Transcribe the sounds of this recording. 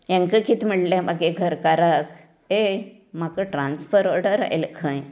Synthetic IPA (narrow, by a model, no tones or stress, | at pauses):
jãŋkəkit̪ʰməɽlãmaɡeɡʱəɾkaɾak | e | makəʈɾansfəɾoɾɽəɾa̰jlkʰãj